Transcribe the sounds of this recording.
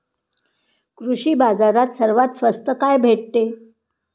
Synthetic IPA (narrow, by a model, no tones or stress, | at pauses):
kɾuɕiːbad͡zaɾat̪səɾʋat̪sʋəst̪əkajbʱeʈ̚t̪e